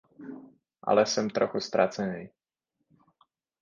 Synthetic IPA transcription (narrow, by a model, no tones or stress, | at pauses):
ʔa̰lɛsɛmt̪ɾɔxust̪ɾa̰t͡sɛɲɛj